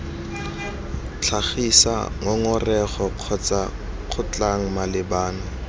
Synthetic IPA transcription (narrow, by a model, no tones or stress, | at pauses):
t͡ɬʰaχisa̰ŋɔŋʊrɛχɔq͡χʰɔt͡sʼa | q͡χʰʊt͡ɬʼaŋ̩malɪbaːnɔ